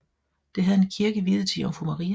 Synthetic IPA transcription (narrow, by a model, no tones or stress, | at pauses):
d̥e̝ɦæðˠe̝nkʰiɐɡ̥əʋiðˠt͡sʰḭɒmfomɑʁiː